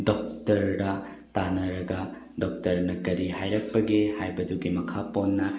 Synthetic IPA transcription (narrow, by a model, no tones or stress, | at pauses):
dok̚tɐɾdɐ | tanɐɾɐɡɐ | dok̚tɐɾnɐkɐɾiɦajɾɐk̚pɐɡehajbɐduɡimɐkʰaponːɐ